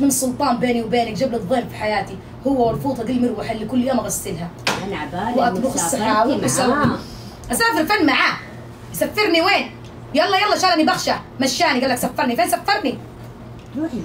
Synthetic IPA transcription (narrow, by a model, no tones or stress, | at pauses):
mɪnɨsˤːʊlt̪ˤɑːmbeːniwbeːnakd͡ʒablɨðˤeːmfi̥ħajaːt̪i | hʊwːawɑɾˤfuːt̪ˤɑd̪ilmɪɾwaħɪlːikʊlːjoːmaɣasːɪlhaanʕbawʔat̪bxɑsˤːaawiʊsaw | ʔasaːfɪɾfanːmaʕaː | jsafːɪɾˤniweːn | jaʔlːɑjɑːlːɑʃaːlʔanibaxʃamaʃːaːniɡaːlːaksafːɑɾˤnifeːnsafːɑɾˤni